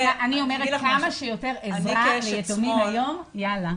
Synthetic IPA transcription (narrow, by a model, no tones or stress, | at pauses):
ʔanio̞meʁekamaʃejote̞ʁevʁalejetomibajo̞mjala